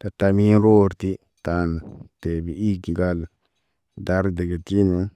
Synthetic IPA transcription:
da˨ta˨mi˦n˦ɾoː˦ɾti˦ | ta˨n˨te˨bi˨i˦ɡi˨ɡa˦l | da˦ɾde˨ɡe˨ti˦n˨a˦

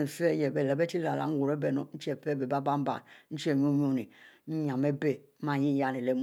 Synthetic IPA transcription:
fɛ˦jɛ˨bɛ˨lɛ˨bɛ˦ti˦la˨la̰˨˦ŋ̩˦wu˨ɾɛ˦bɛ˨nɔ̰˨˦n̩˦t͡ʃi˦ɛ˦˨pɛ˦˨be˨ba˦ba˦m˦ba̰˨n̩˦t͡ʃi˦ɛ˦˨ɲ˦o˦ɲ˦o˦˨ni˨˦ɲ˨ã˨me˦be˨˦mã˦ji˦ja˦ni˨le˦m

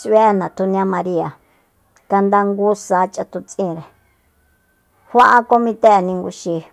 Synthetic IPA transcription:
se˦˨nã˨t̪ʰu˧nĩ˧ã˦mã˧ɾi˦a˨ | ka˧nd̪a˦ŋɡu˦saː˨˦t͡ʃʼa˧t̪u˧t͡sʼĩː˦˨ɾe˨ | hʷa˦ʔa˦ko˦mĩ˧t̪e˦ʔe˨nĩ˧ŋɡu˧ʃi˧

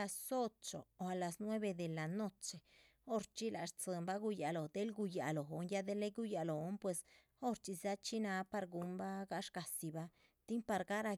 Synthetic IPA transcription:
a˧so˦t͡ʃo̰˨o˨a˨la˨snwe˦be˧d̪e˨la˨no˦t͡ʃe˨ | o˦ɾt͡ʃi˦la˨ʂt͡sɨ˨˧mba˦ɡu˧ja˨lo˨d̪e˦lɡu˧ja̰˨lo˨ɦo˨˦nja˦d̪e˦le˦ɡu˦ja˨lo˨˦npwe˧s | o˦ɾt͡ʃi˧za˦t͡ʃi˦na˧pa˧ɾɡu˧˦mba˦ɡa˦ʂka˨si˨ba˦ | t̪i˦ŋpa˧ɾɡa˦ɾa˧

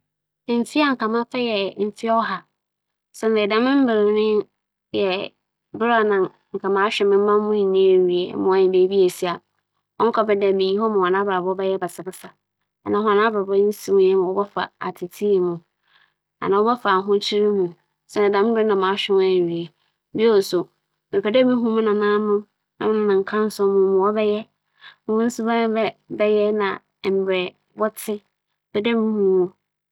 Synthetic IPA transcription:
m̩˨fi˦a˦ŋ̩˨ka˨mã˦fɛ˦jɛ˨m̩˨fi˦ɔ˦ɦa˨ | sɛ˦na˨dã˨mɪ̃˦m̩˦bɪ˨ɾɪ˨˦nɪ̃˦ | jɛ˨ | bɪ˦ɾa˦˨nã˨ | ŋ̩˨kʰa˨mã˦ɕᶣɪ˨mɪ̃˦m˦mã˦m˦mʊ̃˦i˨nːĩ˦e˨ɥi˨ḛ˨˦mʊ̃˨˦ɔ˨ɲɪ̃˨be˨˦bi˦e˨si˦a˨ | ɔ˦ŋ̩˦kʰɔ˦bɛ˦dɛ˨mĩ˨ɲĩ˦hɔ˦mã˨a˨nã˦bɾa˨bɔ˦bɛ˦jɛ˦ba˨sɪ˨bɪ˦sa˨ | nã˨˦ɦʊ̃˦nã˦bɾa˨bɔ˦n̩˦si˦mʊ̃˦jɛ˦mã˨wɔ˦bɛ˦fa̰˨a̰˨tʰɪ˨tʰi˦˨mʊ̃˨ | a̰˨nã˨wɔ˦bɛ˦fa˨ɦʊ̃˦t͡ɕʰi˦ɾi˦mũ˨ | sɛ˦na˨dã˨m̃˦dɪ˦nã˨mã˨˦ɕᶣɪ˦a˦˨i˨e˨ | bi˦o˦˨sʊ˨ | mɪ̃˨pʰɛ˨dɛ˦mĩ˦ɦũ˦mʊ̃˦nã˨nã˦nʊ̃˦ | nã̰˦m̃˦nʊ̃˨nã˨ŋ̩˨kʰã˦n˦sʊ̃˦mʊ̃˦mʊ̃˨wɔ˦bɛ˦jɛ˦ | mʊ̃˦mʊ̃˦n̩˦sʊ˦bã˦bɛ˦bɛ˦jɛ˦nã̰˨ | m̩˨bɛ˨ | bɔ˦tʰɪ˦ | b̥ɛ˦dɛ˦mĩ˦hũ˦wɔ˦

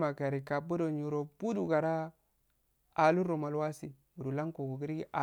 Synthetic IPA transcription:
ma˨ɡa˨ɾi˨ka˨bu˦do˨ɲu˨ɾo˨bu˦du˨ɡa˨ɾa˦ | a˨lu˦ɾo˨ma˨lwa˦si˨ | u˨du˨la˦ŋko˨ɡu˨ɡi˦ɾi˦ɡi˦ʔa˨

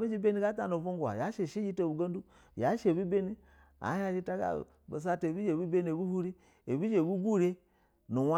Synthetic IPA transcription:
bi˦d͡ʒi˦be˦ni˦ɡa˦ta˦˨no˨vu˦ŋɡʷa̰˨ja˨˦ʃe˨ʃi˦d͡ʒi˦ta˨u˨ɡa˦n˦du˦ | ja˨˦ʃe˨bi˦be˦ni˦ | a̰˨˦a˦d͡ʒi˦ta˦ɡa̰˨ | ba̰˨s̬a˦te˨bi˦d͡ʒe˨bu˦be˦ni˦˨e˨bu˦hu˦ɾi˦ | e˨bi˦d͡ʒe˨bu˦ɡu˦˨ɾe˦ | nu˨wa˦

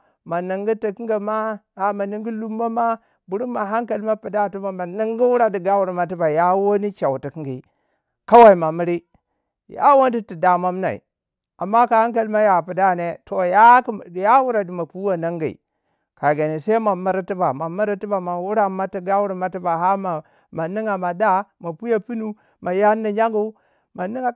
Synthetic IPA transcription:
ma˨na˨ŋɡi˦ti˨ki˦ŋɡa˨ma˦a˨ma˨ni˦ŋɡi˦lu˦mːa˦ma˦ | bu˨ɾu˦ma˨ɦa˦ŋka˨lma˦pi˨da˦˨tu˦ba˨ma˨ni˦ŋɡi˦wu˦ɾa˨di˨ɡa˦wu˨ɾi˨ma˨t̬i˦ba˨ja˦wo˦ni˦t͡ʃa˨wti˨ki˦ɡi˨ | ka˦wa˦i˨ma˨mi˦ɾi˦ | ja̰˦wo˦ndi˦ti˨da˨ma˦mna̰˨ḭ˨ | a˨mːa˦ka˨ha˦ŋk̬a˦lma˦ja˨pu˨da˦˨ne˦to˨ja˦˨ja˦wu˦ɾa˨di˨ma˨pu˦wa˦na˦ŋɡḭ˨ | ka˨ɡe˨ni˨sa˦ma˨mi˦ɾi˦ti˦ba˨ma˨mi˦ɾi˦ti˦ba˨ma˨wu˦ɾa˦ma˦ti˦ɡa˦wu˦ɾi˨ma˦ti˦ba˨ɦa˦ma˨ | ma˨ni˦ŋa˨ma˨da˦ma˨pu˦ja˦pi˦nu˦ | ma˨ja˦nːi˨ɲa˦ŋɡu˦ | ma˨ni˦ŋa˨

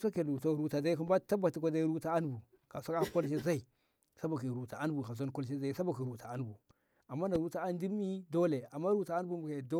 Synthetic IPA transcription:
sa˦ke˨lu˨ta˦˨ɾu˦ta˨da˦i˦ku˦mba˦ta˦ba˨ti˨kʷa˦da˦i˦ɾu˦ta˦a˦n˦bu˨ | ka˨sa˦a˦ko˦lʃ̬e˦za˦i˨ | sa˦ba˨ki˨ɾu˨ta˨a˦n˦bu˨ka˨s̬a˦nko˦lʃ̬e˦za˦i˨sa˦ba˨ki˨ɾu˨ta˨a˦n˦bu˨ | a˨mːa˦na˨ɾu˦ta˦a˦n˦di˦n˦mi˦do˦le˨a˨mːa˦ɾu˦ta˨a˦n˦bu˦mbu˨ke˨do˦

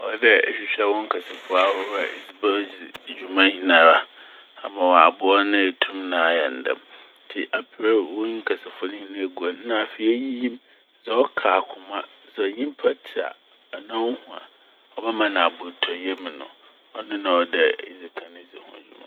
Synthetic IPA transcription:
ɔ˨˦dɛ˦ɛ̰˨ɕᶣi˦ɕᶣɛ˦wɔ˦ŋ̩˦kʰɛ˨sɪ˨fʊ˦a˨hʊ˦ɾɛ̰˨zi˦bɛ˦d͡zi˨d͡ʑᶣu˨mã˦hĩ˨nã˨ɾa˦ | a˨mã˨wa˨bʊ˨ɔ˦nɪ̃˦e˨tʰũ˦mnã˨˦jɛ̰˨n̩˨dɛ̰˨m | tʰɪ˨ʔa˨pʰɪ˨ɾɛ˦˨wʊ̃˦ŋ̩˦kʰɛ˨sɪ˨fʊ˦nɪ̃˦hĩ˦nã˦˨ɡu˨a˨n˦nã˨fi˦e˦ji˦jĩ˦m | zɛ˨ɔ˦kʰaː˨kʰʊ˨mã˦ | zɛ˨ɲĩ˦m˦pʰa˦tʰi˨a̰˨ | nã˦hũ˨a̰˨ | ɔ˨bɛ˦mã˨nã˨bʊ˨tʰɔ˨jɛ˦mɪ̃˨nʊ̰̃˨ | ɔ˦nɪ̃˦nã˨ɔ˦dɛ˨i˨d͡zi˨kʰã˨nɪ̃˦˨zi˨hʊ̰̃˨d͡ʑᶣu˦mã̰˦

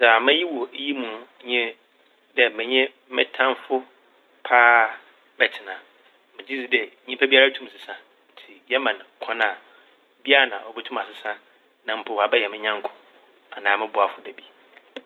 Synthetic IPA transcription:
sa˨mɪ̃˦ji˦wo˨˦ji˦mũ˨˦ | ɲɛ̃˦ | dɛ˨mɪ̃˨ɲɛ̃˦mɪ̰̃˦tʰã˦nfʊ˦ | pʰaː˦ | bɛ˨tʰɪ˨nã˨ | mɪ̃˨d͡ʑi˦d͡zi˨dɛ˨˦ɲĩ˦pʰa˦bi˦a˦a˦tʰũ˦m˨sɪ˨sã˨ | n̩˨tʰi˨jɛ˦mã˨n˨kʰɔ̃˦nã˨ | bi˦a˦a˨nã̰˨ɔ˨bɛ˦tʰũ˦ma˨sɪ˨sã˦ | nã˨m̩˦pʰʊ˨wa˨bɛ˦jɛ˨mɪ̃˦ɲã˦ŋ˦kʰʊ̥̃˨ | a˨nãː˨mɪ̃˦bʊ˨a˨fʊ˦dɛ˨bi˦

